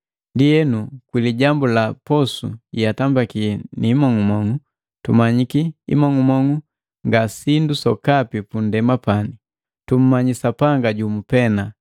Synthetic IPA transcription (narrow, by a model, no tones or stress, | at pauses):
ndijɛnukwiliɟambulapɔsṵatambakiɛnimɔŋumɔŋu | tumaɲikiḭmɔŋumɔŋu | ŋɡasindusɔkapipundɛmapani | tum̩maɲisapaŋɡaɟumupɛna